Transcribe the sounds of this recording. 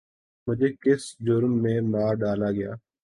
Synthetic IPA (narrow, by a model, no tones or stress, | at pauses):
mʊd͡ʒʱeːkɪsd͡ʒʊɾmːẽːmaːɾɖaːlaːɡəja̰ː